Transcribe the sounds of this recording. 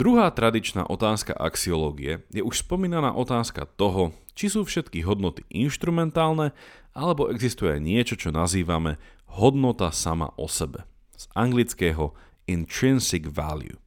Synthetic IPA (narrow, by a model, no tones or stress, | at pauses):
d̪ɾuɦaːt̪ɾad̪it͡ʃna̰ːʔɔt̪aːska̰ʔa̰ksiɔlɔːɡiɛjɛʔuʃspɔmiːnana̰ːʔɔt̪aːska̰t̪ɔɦɔ | t͡ʃisuːfʃɛt̪kiɦɔd̪nɔt̪i̥ʔinʃt̪ɾumɛnt̪aːlnɛʔalɛbɔʔɛɡzist̪ujɛɲɪɛt͡ʃɔt͡ʃɔnaziːʋamɛ | ɦɔd̪nɔt̪asama̰ʔɔ̰sɛbɛ | z̥aŋɡlit͡skɛːɦɔ | int̪ɾinsiɡʋa̰ljṵ